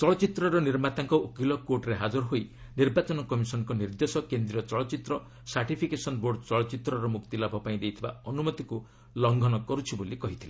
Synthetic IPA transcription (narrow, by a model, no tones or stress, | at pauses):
t͡ʃɔɭɔt͡ʃit̪ɾɔɾɔniɾmat̪aŋkɔokilɔkoʈɾeɦad͡ʒɔɾɔɦoj | niɾbat͡ʃɔnɔkɔmisɔnɔkɔniɾd̪esɔkend̪ɾiɔt͡ʃɔɭɔt͡ʃit̪ɾɔ | saɾʈipʰikesɔnboɾɖt͡ʃɔɭɔt͡ʃit̪ɾɔɾɔmukt̪ilɔbʱɔpaĩd̪ejt̪ʰiba̰ɔnumɔt̪iku | lɔŋɡʱɔnɔkɔɾut͡ʃʰibolikɔɦit̪ʰilẽ